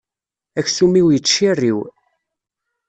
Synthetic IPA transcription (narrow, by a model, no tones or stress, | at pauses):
æçsumiwjət͡ʃːirːiw